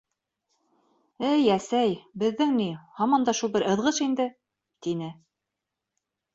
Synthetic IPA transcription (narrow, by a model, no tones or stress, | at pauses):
ɘjæsæjbɘ̆ðːɘŋnihɑmɑnd̪ɑʃulˠbɘɾɤ̆ðʁɤʃind̪ɘ | t̪inɘ